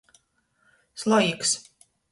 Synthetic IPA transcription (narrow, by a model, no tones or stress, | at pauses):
slˠɔjiks